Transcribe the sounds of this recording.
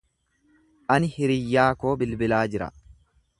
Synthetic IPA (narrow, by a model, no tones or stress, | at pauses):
ʔɐnɪhɪɾɪjːaːko̞ːbɪlbɪlaːd͡ʒɪɾɐ̰